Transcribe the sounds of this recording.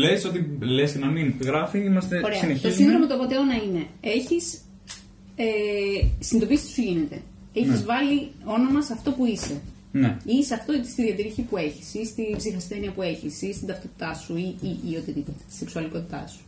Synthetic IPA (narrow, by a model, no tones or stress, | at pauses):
leso̞t̪ilesnɐminɣɾɐfiimɐst̪eo̞ɾeɐneçt̪osiŋðɾomot̪opot̪eonɐine̞e̞çis | esind̪o̞pisi̥suʝinet̪e̞̰ | eçizvɐlio̞no̞mɐsɐft̪o̞puise̞ | neiseɐft̪o̞it̪ist̪iðiɐt̪iɾiçipue̞çi̥sist̪ibzixɐsθe̞niɐpue̞çisist̪ind̪ɐft̪o̞t̪i̥t̪ɐsuiiːot̪it̪it̪ɐt̪i̥seksuɐliko̞t̪it̪ɐ̰su̥